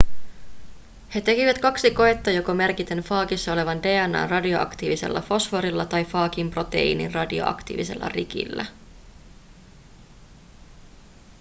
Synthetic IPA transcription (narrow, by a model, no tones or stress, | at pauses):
he̞t̪e̞kiʋæt̪kɑksiko̞et̪ːɑjo̞kome̞rkit̪e̞nfɑːkisːɑo̞le̞ʋɑnde̞ːænːɑ̰ːnrɑdio̞ʔɑ̰kt̪iːʋise̞̰lːɑ̰fo̞sfo̞ɾilːɑt̪ɑjfɑːkimpro̞t̪e̞̰ḭːnḭnrɑdio̰ɑ̰kt̪ḭːʋise̞̰lːɑ̰rik̟ḭlːæ̰